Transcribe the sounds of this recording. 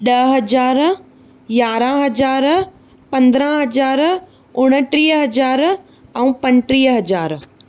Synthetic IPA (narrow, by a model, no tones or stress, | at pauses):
ɗɐɦɐd͡ʑaːɾ | jaːɾãɦɐd͡ʑaːɾ | pɐ̃nd̪ɾə̃ɦɐd͡ʑaːɾ | ʊɽ̃ə̆ʈɾiːɦɦɐd͡ʑaːɾ | ɛ̃ːpɐ̃ɲʈɾiːɦɦɐd͡ʑaːɾ